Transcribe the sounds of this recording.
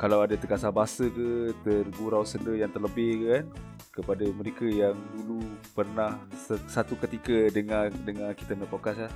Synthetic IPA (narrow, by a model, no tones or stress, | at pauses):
kalawadat̪əkasabaasəkət̪ərɡuɾawsəndəjaŋt̪ərləbɪhkəkan | kəpadəməɾekəjaŋdulupərnahsəsat̪ukət̪ikədəŋadəŋaki̥t̪amapokaslah